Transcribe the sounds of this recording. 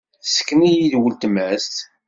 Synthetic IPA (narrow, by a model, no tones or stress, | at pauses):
θsə̥kːnijiðwəlt̪əmæst̪